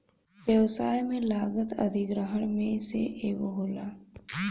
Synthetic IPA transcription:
ʋjəʋsaːjmẽlaːɡət̪ɐ̰d̪ʱɪɡɾəɦəɳ̃mẽsḛʔeːʋəɦoːlaː

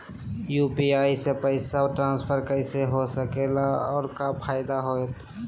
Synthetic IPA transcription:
juːpiaːisepəɪsaoʈɾãːnspʰəɾkəɪseɦosəkelaɔːɾkapʰaːɪd̪aɦoet̪ʰ

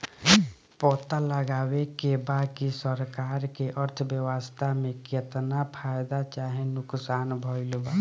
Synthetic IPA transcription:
pɔt̪aləɡaːwekebad̪kisəɾkaɾkeʔəɾt̪ʰəbjəwəst̪ʰamẽkjət̪napʰajd̪at͡ʃaɦẽnʊksaːnbʱɔɪlba

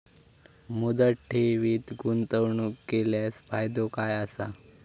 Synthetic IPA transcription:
mud̪əʈʰːeʋiːt̪ɡunt̪əʋɳukeljasfajd̪okajasa

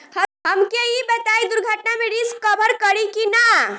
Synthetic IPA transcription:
həɦəmkeibət̪aid̪uɾɡʱəʈnameɽiskəbʱəɾkəɾikina

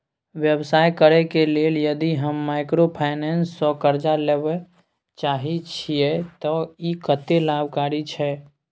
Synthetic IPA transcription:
ʋjəbsaːjkəɾɛkeleljəd̪iɦəmːaɪkɾopʰaɪnɛnsːɔkəɾd͡ʒaleʋe | t͡ʃaːɦit͡ʃʰijet̪ɔikət̪elabkaːɾit͡ʃʰɛ

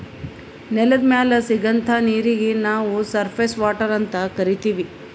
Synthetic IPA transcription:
nɛlɐd̪maːlɐsiɡɐnt̪ʰaːniːɾiɡenaːʋusɐɾpʰeːsʋaːʈɐɾɐnt̪ɐkɐɾit̪iːʋi

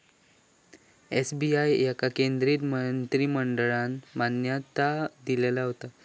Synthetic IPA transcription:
esbiajːakakend̪ɾiːt̪mənt̪ɾiːməɳɖəɭanmanjat̪ad̪ilelaɦot̪a

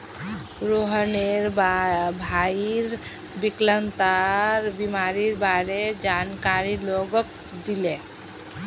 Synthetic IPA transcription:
ɾoɦəneɾbbʱaiɾ | biklənt̪aɾbimaɾiɾbaɾed͡ʒankaɾiloɡək̚ | d̪ile

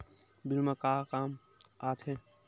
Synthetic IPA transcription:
biɾmakaːkaːm | aːt̪ʰe

